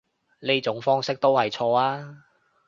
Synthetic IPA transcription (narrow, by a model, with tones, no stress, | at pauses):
ne˥jt͡sʊ˨˥ŋfɔː˥ŋsɪ˥k̚t̪o˥whɐ˨jt͡ʃʰɔː˧aː˥